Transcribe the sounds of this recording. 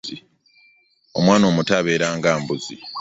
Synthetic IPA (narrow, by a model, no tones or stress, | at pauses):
i | o̞̰mwaːno̞ːmutaβe̞ːɾaːŋɡaːmbuzi